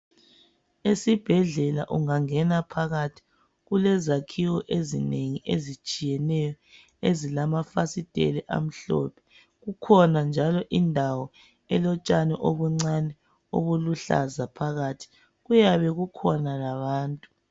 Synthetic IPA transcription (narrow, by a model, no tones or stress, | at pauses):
esib̥ʱɛɮɛla̰ʔuŋaŋɛnapʰaɣatʰi̥ | ɣulɛzakʰiwɔʔezineŋiʔḛzit͡ʃʼijɛnɛjɔ | ezilamafasitʼḛlɛʔa̰m̩ɬɔ̰pʰɛ̥ | ɣukʰɔnand͡ʒʱalɔʔindʱawɔ | ɛlɔt͡ʃʼanɛʔoβuŋ͡ǀanɛ | o̰βuluɬa̰zapʰaɣatʰi̥ | ɣujaβɛɣukʰɔnalaβaːntʼu